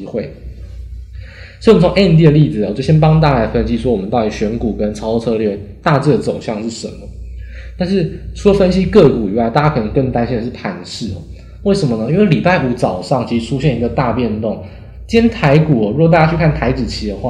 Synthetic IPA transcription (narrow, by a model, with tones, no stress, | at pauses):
xwe˥˩ɪ | ɔ˥˩˥t͡sʰo˧˦ŋe˥i˥nt̪̬i˥˩ə˩˧li˥˩d͡zɹ̩˨˩˨t͡ɕjo˥˩ʊɕjɛ˥np̬ɑ˥ŋt̪̬a˥˩la˧˥ɪfə˥nɕi˥swɔ˥wɔ˨˩mə˦nt̪ɑ˥˩ʊi˩ɕɥɛ˧˥nku˨˩kə˦nʈ͡ʂʰɑ˥ʊ˥˧t͡sʰɤ˥li˥t̪a˥˧t͡sɻ̩˥˩d̪ə˩t͡so˨˩ʊɕjɑ˥˧ŋʂɻ̩˥˩ʂə˧˦nmə˨˦ | t̪a˥˧nʂɻ̩˥˩ʈ͡ʂʰu˥lə˨˩fə˥nɕi˥kɤ˥˩ku˨˩i˨˩˦wa˥ɪt̪a˥˩t͡ɕja˥kʰə˨˩n˧˦ŋkə˥˩ŋt̪a˥nɕi˥˧d̪ə˩ʂ̩˥˩pʰa˧˥nʂɻ̩˥˩ɐ̰˩ | we˥˩ɪʂə˧˥mə˧nə˧i˥nwe˥˩ɪli˨˩pa˥˩ɪu˧˥t͡sɑ˨˩ʊʂɑ˥˩ŋt͡ɕʰi˧˥ʂ̩˨˧˩ʈ͡ʂʰu˦˥ɕjɛ˥˩ni˧˥ɡə˧t̪a˥˧pjɛ˥˧nt̪ʊ˥˩ŋ | t͡ɕjɛ˥nt̪ʰa˧˥ɪku˨˩ɔ˩ɻu˥˩˨t̪̬a˥˩t͡ɕa˥t͡ɕʰy˥˧kʰa˥˩nt̪ʰa˧˥ɪt͡sɹ̩˨˩t͡ɕʰi˧˥d̪ə˨xwa˥˩